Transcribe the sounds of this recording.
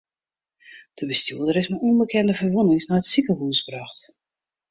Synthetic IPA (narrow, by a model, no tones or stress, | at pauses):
d̥əbəstjuəlˠdəɾɪsmauənbəkʰɛndəvərʋunɪŋsnaətsipəɦuːsbraxt